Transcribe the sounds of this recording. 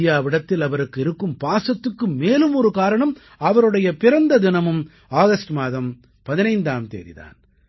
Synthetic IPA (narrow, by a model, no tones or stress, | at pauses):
ɪjaːʋɪɽɐt̪ːɪlɐʋɐɾɯkːɪɾɯkːɯmpaːsɐt̪ːɯkːɯmːeːlɯmɔɾɯkaːɾɐɳɐm | ɐʋɐɾɯɽɐjɐpɪɾɐnd̪ɐðɪnɐmɯm | aːɣɐsʈmaːðɐm | pɐðɪnɐɪnd̪aːmt̪ḛːɾɪ̰ða̰ːn